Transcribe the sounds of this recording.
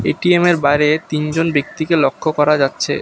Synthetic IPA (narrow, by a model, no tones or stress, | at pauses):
eʈiemeɾbajɾet̪ind͡ʑonbek̚t̪ikelokʰːokɔɾad͡ʑatːɕʰḛ